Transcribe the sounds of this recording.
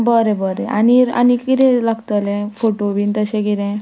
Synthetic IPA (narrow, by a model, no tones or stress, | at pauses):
bəɾẽbəɾẽa̰niɾa̰nikiɾẽlaɡt̪əlẽfoʈobint̪əɕẽkiɾẽ